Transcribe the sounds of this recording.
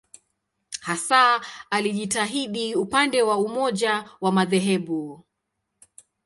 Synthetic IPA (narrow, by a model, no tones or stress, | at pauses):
hasaaliʄitaɦiɗiupandɛwaumɔʄawamaðɛɦɛɓu